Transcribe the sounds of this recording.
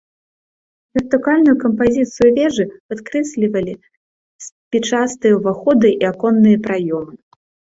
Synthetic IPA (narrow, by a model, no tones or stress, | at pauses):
vʲɛrt̪ɨkalʲnujukɐmpazʲit̪sɨjuvʲɛʐɨpat̪kɾɛsʲlʲivɐlʲi | sʲpʲit͡ʂast̪ɨjɐvaxɔd̪ɨʔiakɔnːɨjɐpɾajɔmɨ